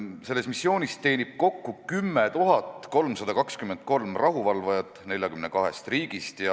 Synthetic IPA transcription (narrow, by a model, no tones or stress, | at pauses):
se̞lːe̞st̪misːjo̞ːnʲist̪e̞ːnib̥̚ko̞kːukymːet̪uɦɑt̪ːˑko̞lmsɑd̪̥ɑkɑkskymend̪̥̚ko̞lmrɑɦuvɑlvɑjɑt̪ːˑne̞lʲjɑkymnekɑɦe̞̰st̪riːɡ̥ist̪jɑ